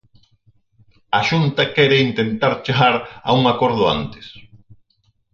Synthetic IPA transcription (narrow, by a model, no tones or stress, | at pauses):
aʃunt̪ɐkɛɾeint̪ent̪aɾt͡ʃeɣaɾa̰uŋakoɾð̞ʊa̰nt̪ɪ̥s